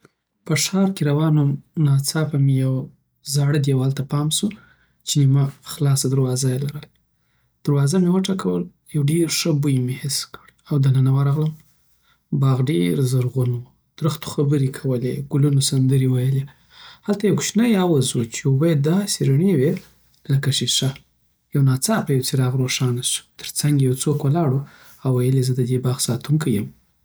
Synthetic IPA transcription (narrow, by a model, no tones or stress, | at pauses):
pəʂɑɾkeɾawɑnonɑt͡sɑpamejaw | zɑɽəd̪jawalt̪apɑmsu | t͡ʃenimaxlɑsad̪aɾwɑzajalaɾəl | d̪̥əɾwɑzamewəʈɑkʰawə̰l | jawɖeɾʂəbujmehɪskəɽawd̪ananawaɾɑɣləm | bɑɣɖḛɾzaɾɣunwu | d̪̥ɾəxt̪o̥xabəɾekʰawəleɡ̥ulunosand̪əɾewajəle | halt̪ajawkʃnajawazwot͡ʃebajad̪ɑseɾaɳewe | lakaʃiʃa | jawnɑt͡sɑpajawt͡siɾɑɣɾoʂɑnaʃt̪ʰə̥ɾt͡saŋɡejawt͡sokwəlɑɽu | awːajəlezəd̪əd̪ebɑɣsɑt̪uŋkʰajəm